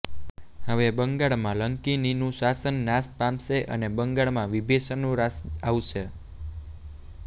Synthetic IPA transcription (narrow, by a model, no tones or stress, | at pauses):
ɦəʋebəŋɡaɭmãləŋkininũʃasənːãspamʃeʔə̰nebəŋɡaɭmãʋibʱeʃənũɾasaʋʃe